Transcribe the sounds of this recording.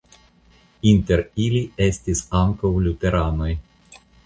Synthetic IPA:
int̪eɾilʲiest̪isaŋkowlʲut̪eɾanoj

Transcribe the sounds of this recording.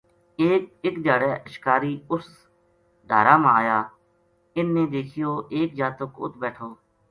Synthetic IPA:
eːk̚ɪkd̪aːɽɛːʔəʃkaːɾiːʊs | d̪ʱaːɾaːmãːaːjaː | ɪnːẽːd̪eːkʰɪjoːʔeːk̚d͡ʒaːt̪ʊkʊ̰t̪ʰbɛːʈʰoː

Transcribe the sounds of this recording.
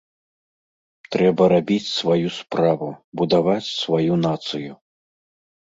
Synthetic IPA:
t̪ɾɛbɐɾabʲit͡sʲsvajuspɾavubud̪avat͡sʲsvajunat̪sɨju

